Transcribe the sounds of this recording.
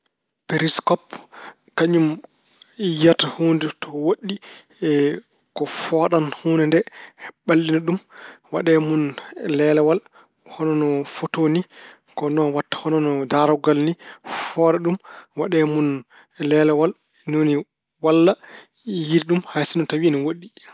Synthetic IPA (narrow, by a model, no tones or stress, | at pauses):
peɾiskɔp | kaɲum | jatahoːnditɔwoɗːi | kɔfɔːɗanhuːnɛndɛɓalːinaɗumwa̰ɗɛmunlɛlɛwal | hɔnɔnɔfotoni | kɔnɔnwatːḁhɔnɔnɔdaɾɔɡalnifɔɾɛɗumwaɗɛmun | lɛlɛwal | noni | walːa | jiɾiɗumhajsinɔtawiniwoɗːi